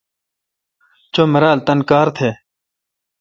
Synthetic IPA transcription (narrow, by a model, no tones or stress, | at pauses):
t͡ʃoːmɐɾaːlt̪ɐnkaːɾt̪ʰeː